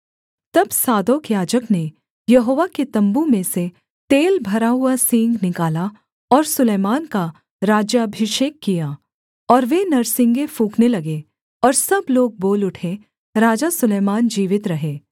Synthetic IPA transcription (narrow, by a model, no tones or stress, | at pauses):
t̪ɐbsaːd̪oːkjaːd͡ʒəkne | jɐɦoːʋaket̪ɐ̃mbũmẽse | t̪eːlbʱɐɾaɦʊasĩŋɡnɪkaːla | ɔːɾsʊleːmaːnka | ɾaːd͡ʒjabʱɪʃeːkːijaː | ɔːɾʋenɐɾsɪ̃ŋɡefũːknelɐɡe | ɔːɾsɐbloːɡ̚boːlʊʈʰe | ɾaːd͡ʒasʊleːmaːnd͡ʒiːʋɪt̪ɾɐɦeː